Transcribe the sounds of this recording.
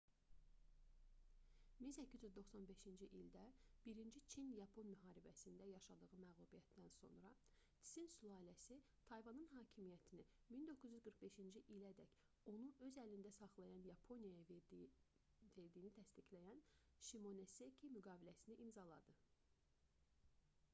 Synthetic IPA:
minsæcʰːizyzd̪o̞χsɑnbe̞ʃind͡ʒiʔild̪æb̥iɾind͡ʒit͡ʃʰinjɑpʰo̞nmyɦɑːɾibæsind̪æjɑʃɑd̪ɯɣɯmæɣlˠubijæt̪d̪ænso̞̰nɾɑ | t̪ʰi̥sinsulˠɑːlæsi | t̪ʰɑjvɑnɯnɦɑːcʰimijæt̪ʰini | mind̪o̞kʰːyzyzɡɯɾχbe̞ʃind͡ʒiʔilæd̪æç | o̞nuʔø̞zælind̪æsɑχlˠɑjɑnjɑpʰo̞nijɑjɑ | ve̞ɾd̪ijːnit̪ʰæst̪iclæjæn | ʃimo̞ne̞sekʰimyɡɑːbilæsiniʔimzɑlˠɑd̪ɯ

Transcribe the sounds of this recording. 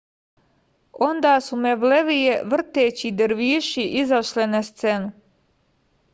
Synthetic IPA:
o̞nd̪aːsumeʋleʋijeʋr̩t̪eːt͡ɕid̪eɾʋiːʃiʔizaʃlinast̪se̞nu

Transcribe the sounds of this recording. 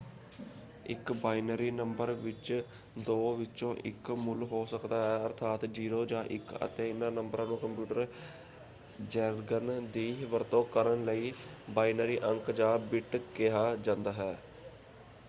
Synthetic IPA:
ɪ̰kbaːinəɾiːnəmbəɾʋɪt͡ʃ | d̪oːʋɪt͡ʃõːʔɪ̰kmʊlɦoːsəkd̪aːɦɛːəɾt̪ʰaːt̪d͡ʒiːɾoːd͡ʒãːʔɪ̰kə̰t̪eːɪnãːnəmbəɾãːnũːkəmpjuːʈəɾ | d͡ʒɛːɾɡənd̪iːʋəɾt̪õːkəɾənləiːbaːinəɾiːʔəŋkd͡ʒãːbɪʈkɪɦaːd͡ʒãːnd̪aːɦɛː

